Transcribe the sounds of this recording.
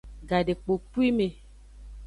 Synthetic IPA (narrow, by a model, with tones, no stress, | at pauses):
ɡa˨de˨k͡po˨pi˦me˨